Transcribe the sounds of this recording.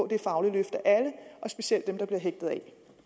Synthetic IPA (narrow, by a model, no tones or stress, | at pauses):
d̥e̝fɑ̈ʊliløfd̥æʔæləʔɒ̽sb̥e̝ɕiel̰d̥emd̥ɑ̈b̥liɐɦeɡ̥̚d̥ð̞̩ˠɛ̰